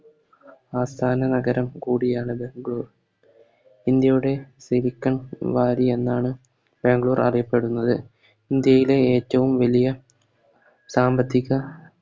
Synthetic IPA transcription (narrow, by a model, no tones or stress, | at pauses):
aːst̪ʰaːnɐnɐɡɐɾɐmkuːɽijaːɳɨbe̞ŋɡɭuːr | ind̪jɐjuɽe̞siɾikʲːɐɳʋaːɾie̞nːaːɳɨ | be̞ŋɡɭuːrɐ̰rijɐpːe̞ɽunːɐðɨ | ind̪jɐjile̞eːtːɐʋumʋɐlijɐ | saːmbɐt̪ʰːiɣɐ